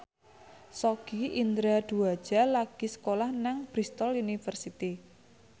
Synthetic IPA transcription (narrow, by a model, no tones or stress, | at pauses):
sɔɡ̥iʔind̪ɾad̪̥uad̥d͡ʒ̥a̤laɡ̥i̤sə̥kolahnaŋb̥ɾist̪ɔlunifərsit̪i